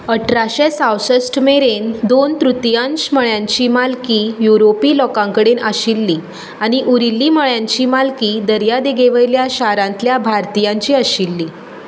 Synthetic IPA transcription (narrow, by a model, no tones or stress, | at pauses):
əʈʰɾaɕɛsawsəsʈmeɾend̪ont̪ɾut̪jãɲt͡ɕməɭjãɲt͡ɕiːmalkiːjuɾopiːlɔkãŋkəɽenaɕilːiː | aɽ̃iʔuɾilːiːməɭjãɲt͡ɕiːmalkiːd̪əɾjad̪eɡeʋəjljaɕaɾãnt̪ljabʱaɾt̪ijãɲt͡ɕiːəɕilːiː